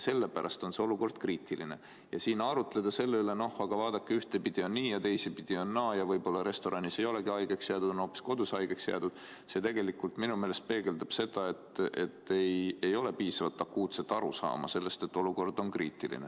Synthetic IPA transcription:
se̞lːepæɾʔɑ̰st̪o̞nse̞o̞luko̞rd̪̥kriːt̪ːˑiline̞̰ | jɑsiːnɑɾut̪le̞d̪̥ɑse̞lːeyle̞no̞hɑɡ̥ɑvɑːd̪̥ɑkːeyht̪e̞pid̪̥ionniːjɑt̪e̞jsipid̪̥ionːɑːjɑvɤjbo̞lːɑɾe̞st̪o̞ɾʔɑnise̞jo̞le̞ɡiɑjɡ̥eksjeɑd̪̥ud̪̥onopːˑi̥sko̞d̪̥usɑjɡ̥eksjḛɑd̪̥ud̪̥ | se̞t̪e̞ɡe̞likːult̪minume̞ːle̞st̪̚pe̞ːɡe̞ld̪ɑb̥se̞d̪̥ɑe̞t̪ːe̞t̪ːejejo̞le̞piːsɑvɑt̪ːɑkːuːt̪se̞t̪ːˑɑɾusɑ̰ːmɑ̰se̞lːe̞st̪e̞t̪ːo̞luko̞rd̪o̞nkriːt̪ːˑilḭne

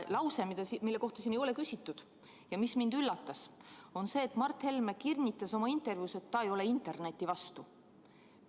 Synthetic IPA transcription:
lɑwse̞mid̪̥ɑmilːe̞ko̞ht̪ɑsinejo̞le̞kysʲit̪ːud̪̥ | jɑmismind̪̥ylːɑt̪ːɑso̞nse̞ːt̪ːˑmɑrt̪he̞lme̞kirnʲit̪ːˑɑso̞mɑint̪ːˑe̞rvjuːse̞t̪ːɑejo̞le̞int̪ːˑe̞rne̞t̪ʲːˑivɑst̪u

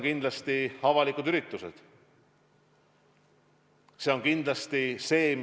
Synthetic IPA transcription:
kind̪lɑst̪iɑvɑlikˑud̪yɾit̪ːˑuse̞̰d̪̥ | se̞o̞ŋkind̪lɑst̪ise̞ːm

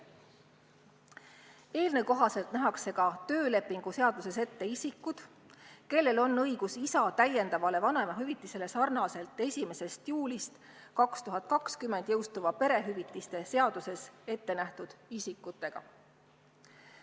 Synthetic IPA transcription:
e̞ːlnekoɦɑse̞lt̪næɦɑkse̞ɡ̥ɑt̪ø̞ːle̞pːˑiŋɡ̥use̞ɑd̪̥use̞se̞t̪ːe̞isikːˑud̪̥ | ke̞lːe̞lo̞nːɤjɡ̥usisɑt̪æje̞nd̪̥ɑvɑle̞vɑne̞mɑɦyvit̪ːˑise̞le̞sɑrnɑse̞lt̪ːˑe̞sʲime̞se̞st̪juːlist̪ | kɑkst̪uɦɑt̪̚kɑkskymːˑe̞nd̪̥jɤwst̪uvɑpe̞ɾe̞ɦyvit̪ˑːist̪e̞se̞ɑd̪̥use̞se̞t̪ːe̞næht̪ud̪̥isikːut̪ːˑe̞ɡ̥ɑ̰

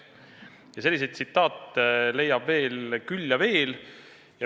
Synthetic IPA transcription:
jɑse̞lʲːis̬e̞jd̪sit̪ːˑɑːt̪ːle̞jːɑb̥ve̞ːlkylʲːjɑve̞ːl | jɑ

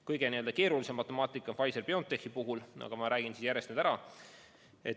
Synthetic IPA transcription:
kɤjɡ̥e̞niø̞ld̪ɑke̞ːɾulise̞mːɑt̪ːˑe̞mɑːt̪ːˑikːˑɑnfɑjse̞rpeo̞ːnt̪ːexipuɦulʔɑ̰ɡ̥ɑmɑɾæːɡ̥insisjæɾest̪yːd̪æɾɑ | et̪

